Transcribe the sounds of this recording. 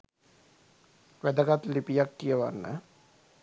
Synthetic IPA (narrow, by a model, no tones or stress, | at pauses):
ʋæd̪əɡat̪lipijakːijəʋa̰nːə̰